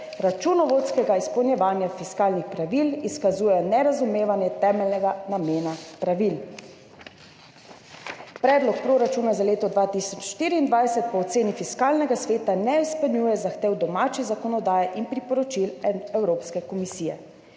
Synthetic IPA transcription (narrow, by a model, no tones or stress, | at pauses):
ɾat͡ʃunɔʋoːt̪skɛɡaispɔwnjɛʋaːnjafiskaːlnixpɾaʋiliskazuːjɛnɛɾazumeːʋanjɛt̪ɛːmɛlnɛɡanameːnapɾaʋil | pɾɛːd̪lɔk̚pɾoɾat͡ʃuːnazaleːt̪ɔd̪ʋaːt̪isɔt͡ʃʃt̪iːɾiːnd̪ʋajsɛt̪̚pɔːt̪seːnifiskaːlnɛɡasʋeːt̪anɛispɛlnjuːjɛzaxt̪eːwd̪ɔmaːt͡ʃizakɔnɔd̪aːjɛʔinpɾipɔɾɔt͡ʃilɛwɾoːpskɛkɔmisiːjɛ̰